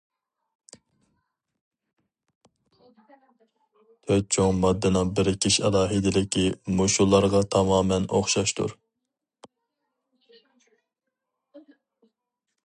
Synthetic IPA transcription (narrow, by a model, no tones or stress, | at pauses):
t̪ʰøt̪̚t͡ʃʰoŋmɑd̪ːɨnɨŋbɪɾɪkʲʰiʃɛlˠɑːɦɪd̪ɪlɪkʲʰimoʃulˠːɑɾʁɑt̪ʰɑmɑːmɛno̰χʃɑʃt̪ʰṵɾ